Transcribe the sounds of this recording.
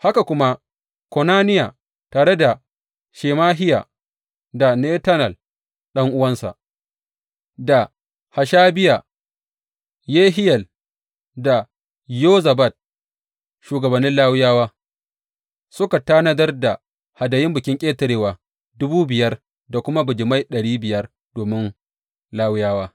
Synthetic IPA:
ha˦ka˨kʷʊ˦ma˦ | kɔ˨naː˦nɪ˦ja˨ | taː˨ɾe˦da˨ | ʃeː˨maː˦ɦɪ˦ja̰ː˨ | da˨ne˦tɐ˦nɐ˨l | ɗɐ˦ŋʔʊ˦wɐ˦nsa̰˨ʔ | da˨ | ha˨ʃaː˦bɪ˦ja˨ | jeː˦ɦɪ˦jɐ˨l | da˨ | joː˦zɐ˨bɐ˦˨t̚ | ʃuː˨ɡɐ˨bɐ˨nːɪ˦nlaː˦wʊ˦jaː˦waː˦ | sʊ˦ka˨ta˦nɐ˦dɐ˦rda˨ | ha˨dɐ˨jɪ˦mbʊ˨kʲɪ˦ŋkʲʼeː˦tɐ˨ɾeː˦waː˨ | dʊ˦buː˦bɪ˨jɐ˦r | da˨kʷʊ˦ma˦bʊ˨d͡ʒɪ˨ma˦jɗɐ˨ɽiː˦bɪ˨jɐ˦r | doː˨mɪ˦n | laː˦wʊ˦jaː˦waː˦

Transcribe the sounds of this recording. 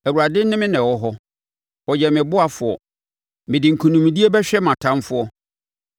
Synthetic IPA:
æ˨wu˨ɾa˨dɪ˦nɪ̃˦mɪ̃˦nɛ̃˨wɔ˦ɦɔ˦ | ɔ˨d͡ʑɛ˨mɪ̃˨bʊ˦a˨fʊ˨ɔ̰˨ | mɪ̃˨dɪ˨ŋ̩˨kʰũ˨nũ˨m˨di˦e˦bɛ˦ɕᶣɛ˦mã˨tʰã˦m˦fʊ˦ɔ˦

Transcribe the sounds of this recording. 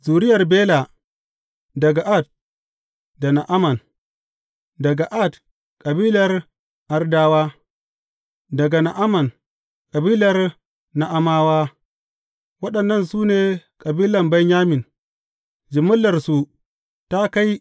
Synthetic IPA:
zuː˨ɾɪ˦jɐ˨rbeː˦la˨ | dɐ˨ɡa˨ʔa˦˨t̚ | da˨na˨ʔa˦mɐ˨n | dɐ˨ɡa˨ʔa˦˨t | kʼɐ˨biː˦lɐ˨r | ʔa˨rdaː˦waː˦ | dɐ˨ɡa˨na˨ʔa˦mɐ˨n | kʼɐ˨biː˦lɐ˨r | na˨ʔa˦maː˦waː˦ | wɐ˦ɗɐ˨nːɐ˦˨nsuː˦neː˨kʼɐ˨biː˦lɐ˨mba˦ɲɲaː˦mɪ˨n | d͡ʒɪ˨mʊ˦lːɐ˨rsu˨ | ta˦ka˦j

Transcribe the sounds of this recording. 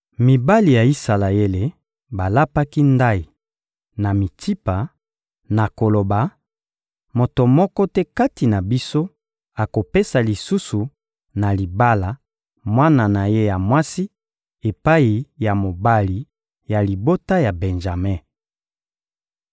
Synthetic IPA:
mi˨ba˦li˨ja˨i˦sa˨la˨e˦le˨ | ba˨la˦pa˦ki˦nda˦i˨ | na˨mi˨tʰi˦pa˨ | na˨ko˨lo˨ba˨ | mo˨to˨mɔ˦kɔ˦tɛ˦ka˦ti˨na˨bi˦so˦ | a˨ko˨pe˦sa˨li˨su˦su˨ | na˨li˨ba˦la˨ | mwa˦na˨na˨je˦ja˨mwa˦si˦ | e˨pa˦i˨ja˨mo˨ba˦li˨ | ja˨li˨bo˦ta˦ja˨bɛ˨nʒa˨mɛ˦˨

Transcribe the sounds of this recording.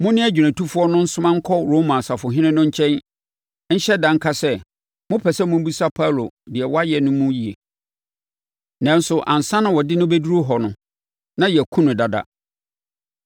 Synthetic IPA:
mʊ̃˦nɪ̃˦æ˦d͡ʑᶣɥæ̃˨tʰu˦fʊ˦ɔ˦nʊ̃˦n̩˦sʊ̃˦mã˦ŋ̩˦kʰɔ˦ɾo˦mã˨sa˨fʊ˨ɦɪ̃˦nɪ̃˦nʊ̃˦ɲ̩˦t͡ɕʰɛ̃˦n˦ | n̩˦ɕɛ˦dã˨ŋ˦kʰa˦sɛ˦ | mʊ̃˦pʰɛ˨sɛ˦mʊ̃˦m˦bi˦sa˦pʰa˦˨lo̰˨dɪ˨ɛ˨wɔ˦a˦jɛ˨nʊ̃˦mũ˦ji˨ḛ˨ | nã˦n˦sʊ˨ʔã˨n̩˨sã˦nʊ̃˨wɔ˨dɪ˦nʊ̃˦be˦du˦ɾo˦ɦɔ˨nʊ̃˨ | nã˦jɛ˨kʰũ˦nʊ̃˨da˨da̰˨

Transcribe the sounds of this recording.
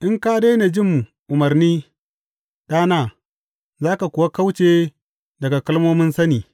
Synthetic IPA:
ʔɪ˦ŋkaː˦deː˦ne˨d͡ʒɪ˦˨m˨ | ʔʊ˨mɐ˨rniː˦ | ɗaː˦naː˦˨ | zaː˦ka˨kʊ˨wa˦ka˦wt͡ʃeː˦ | dɐ˨ɡa˨kɐ˦lmoː˦mʊ˦nsɐ˦niː˨

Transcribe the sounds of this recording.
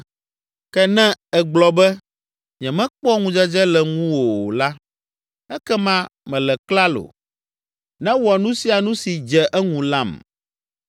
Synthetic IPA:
kɛ˦nɛ̃˦ɛ˨ɡ͡blɔ˨bɛ˦ | ɲɛ̃˨mɛ̃˦k͡pɔ˦ŋũ˨d͡ʒɛ˦d͡ʒɛ˦lɛ˨ŋũ˦wo˨la˦ | ɛ˦kɛ˦mã˦mɛ̃˨lɛ˨kla˦lo̰˨ | nɛ̃˦wɔ˨nũ˦si˦a˨nũ˦si˨d͡ʒɛ˨ʔɛ˦ŋũ˨la˦˨m

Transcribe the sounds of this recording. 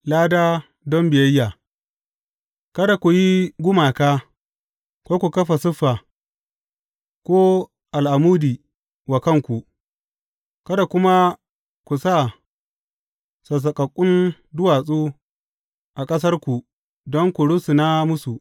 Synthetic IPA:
laː˦daː˦ | dɔ˦mbɪ˨jɐ˦jːaː˨ | kɐ˦da˨kʷu˨ji˦ɡʷʊ˦maː˨kaː˦ | kʷoː˦kʷu˨kɐ˦ɸa˨sʊ˦ɸːa˨ | kʷoː˦ | ʔa˨lʔa˨muː˦diː˨ | wa˨kɐ˦˨ŋkʷu˨ʔ | kɐ˦da˨kʷʊ˦ma˦ | kʷu˨sa˦˨ | sɐ˨s̬ɐ˨kʼɐ˨kʷʼːʊ˦n | dʊ˦waː˨sʼuː˦ | ʔa˨kʼɐ˦s̬ɐ˦rkʷu˨ | dɔ˦ŋkʷu˨ɽʊ˦su˨na˦mʊ˦su˨

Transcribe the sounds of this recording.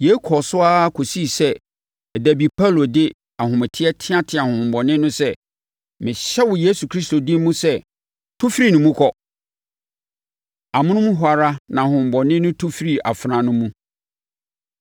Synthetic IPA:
je˨˦kʰɔ˨sʊ˦a˦kʰo˨si˦˨sɛ˦ | ɛ˨dæ˨bi˨pʰa˦˨lo˨dɪ˦ | a˨hʊ̃˨mɪ˨tʰɪ˦ɛ˦tʰɪ̃˦ã˦tʰɪ̃˨a˨hʊ̃˨m˨bɔ˨nɪ̃˦nʊ̃˦sɛ˦˨ | mɪ̃˨ɕɛ˦wʊ˨je˦su˨kʰɾi˦sto˨dɪ̃˦mũ˦sɛ˦ | tʰʊ˦fɾi˦nʊ̃˨mũ˦kʰɔ˦ | a˨mʊ̃˦nʊ̃˦mũ˦ɦʷʊ˨a˨ɾa˦nã˨hʊ̃˨m˨bɔ˨nɪ̃˦nʊ̃˦tʰu˦fɾi˦a̰˨fɾã˨nʊ̃˦mũ˦

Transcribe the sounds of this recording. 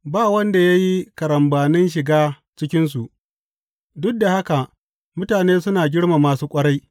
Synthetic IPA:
baː˦˨wɐ˦nda˨ja˦ji˦kɐ˨ɾɐ˨mbaː˨nɪ˦nʃ̬ɪ˨ɡaː˦ | t͡ʃɪ˦kʲɪ˦ns̬u˨ʔ | dʊ˦k̚da˨ha˦ka˨ | mʊ˦taː˨neː˦sʊ˦naː˨ɡʲɪ˦ɽma˨maː˨suː˦kʷʼɐ˦ɽa˦j

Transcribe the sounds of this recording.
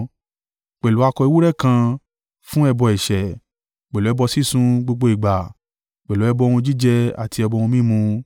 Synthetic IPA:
k͡pɛ˨lu˨˦a˧kɔ˧i˧wu˦ɾɛ˦˨kã˧ | fũ˦ɛ˧bɔ˧ɛ˨ʃɛ˨ | k͡pɛ˨lu˨˦ɛ˧bɔ˧si˦˨sũ˧˦ɡ͡bo˧ɡ͡bo˧˦i˨ɡ͡ba˨ | k͡pɛ˨lu˨˦ɛ˧bɔ˧ũ˧d͡ʒi˦d͡ʒɛ˧a̰˨ti˧ɛ˧bɔ˧ũ˧mĩ˦˨mũ˧

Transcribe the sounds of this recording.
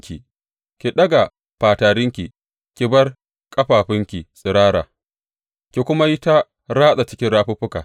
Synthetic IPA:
kʲi˨ | kʲi˨ɗɐ˦ɡa˨ | ɸaː˨taː˨ɾɪ˦ŋkʲi˨ | kʲi˨bɐ˦r | kʼɐ˦ɸaː˨ɸɪ˦ŋkʲi˨sʼɪ˨ɾaː˦ɾa̰ː˨ | kʲi˨kʷʊ˦ma˦ji˦ta˦ | ɾaː˦sa˨t͡ʃɪ˦kʲɪ˦nɽaː˦ɸʊ˦ɸʊ˦ka̰ː˨

